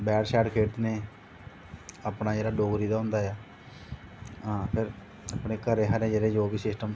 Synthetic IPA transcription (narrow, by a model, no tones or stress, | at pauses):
bɛːɖʃɛːɖkʰeːʈ̪neː | aːpnaːd͡ʒeːɽaːɖoːɡɾiːd̪aːɦʊ̃nd̪aːjaː | ɦãːpʰɪɾ | apɳeːkəɾeːɦaɾẽːd͡ʒeːɽeːd͡ʒoːbiːsɪsʈəm